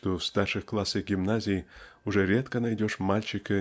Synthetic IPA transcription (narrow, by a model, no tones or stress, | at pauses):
ʂt̪ofst̪arʂɨxklˠasʲeɡʲɪmnazʲɪjuʐɛɾʲet̪kənajdʲoʂmalʲt͡ɕɪkɨ